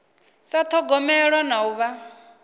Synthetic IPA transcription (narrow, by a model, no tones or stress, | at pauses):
sat̪ʰɔɡɔmɛɺanauβa